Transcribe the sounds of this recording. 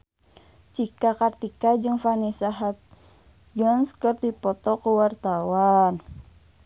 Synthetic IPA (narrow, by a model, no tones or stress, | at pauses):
t͡ʃikakart̪ikad͡ʒɨŋfanisaɦat̪̚ | ɡənskərdipɔt̪ɔkuwart̪awan